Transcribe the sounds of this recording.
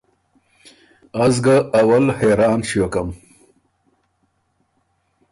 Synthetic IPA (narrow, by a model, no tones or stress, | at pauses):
azɡaːwɐlheɾɑːnɕiokam